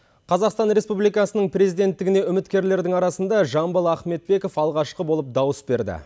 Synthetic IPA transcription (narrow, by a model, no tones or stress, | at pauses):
qʰɑzɑqst̪ɑnɾe̞spublˠijkɑsənəɴprʲezijd̪e̞nt̪ːɪɡʲɪne̞ʏmɪt̪kʲe̞ɾle̞ɾd̪ɪŋɑɾɑsənd̪ɑʒɑmbəlˠɑχme̞t̪̚be̞ko̞fɑlˠʁɑʃqəbo̞lˠəp̚d̪ɑwəsbe̞ɾd̪ɪ̰